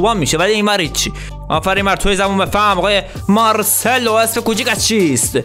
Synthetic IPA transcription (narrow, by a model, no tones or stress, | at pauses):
ɑmːiːʃevæliːmæɾhit̪t͡ʃʰi | ʔɒ̰ːfæɾimæɾt̪ʰojezæmumefæmɒɣɑːje | mɑɾseloesfekut͡ʃikʲæst͡ʃʰist̪